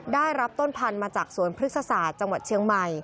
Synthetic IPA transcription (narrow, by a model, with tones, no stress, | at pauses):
daː˥˩jɾa˦˥p̚t̪o˥˩npʰa˧nmaː˧t͡ɕaː˨˩k̚su˨˩˦ənpʰɾɯ˦˥t̪̚sa˧saː˨˩t̪̚t͡ɕa˧ŋwa˨˩t̪̚t͡ɕʰi˧əŋma˨˩j